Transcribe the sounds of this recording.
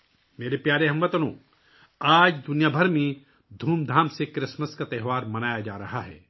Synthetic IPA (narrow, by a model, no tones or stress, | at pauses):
meːɾepjaːɾeɦɐ̃mʋɐt̪ɐnõ̰ː | aːd͡ʒd̪ʊnjaːbʱɐɾmẽ | d̪ʱuːmd̪ʱaːmsekɾɪsməskat̪ɛɦʋaːɾmɐnaːjad͡ʒa̰ːɾɐɦaɦɛ̰ː